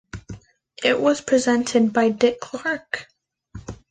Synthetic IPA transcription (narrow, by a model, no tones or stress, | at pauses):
ʔɪʔwʌz̥pʰɹ̥izɛ̃ntʰɨd̚baɪdɪkʰl̥ɑɹk